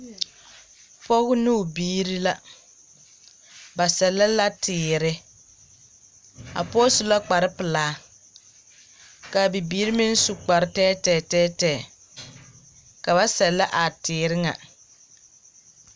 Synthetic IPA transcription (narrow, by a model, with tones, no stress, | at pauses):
fɔ˦ɣʊ˦nʊ˦˨biː˦ɾi˦la˨ | ba˨sɛ˨lːa˦la˦tʰɪː˨ɾɪ˦ | a̰˨pɔ˦sʊ˨la˦k͡pa˨ɾɪ˦pɪ˨laː˨˦ | ka˨bi˨biː˦ɾi˦mɪ˦n̩˦su˨k͡pa˨ɾɪ˦tɛː˦tɛː˦˨tɛː˦tɛː˦˨ | ka˨ba˦sɛ˨lːa˦ʔa˨tɪː˨ɾɪ˦ŋa̰˨